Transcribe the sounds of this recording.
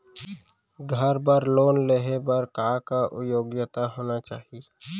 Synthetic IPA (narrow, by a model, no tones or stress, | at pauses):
ɡʱəɾbəɾloːnleɦebəɾkaːkaʔʊ̰joːɡjət̪aɦoːnat͡ʃaːɦi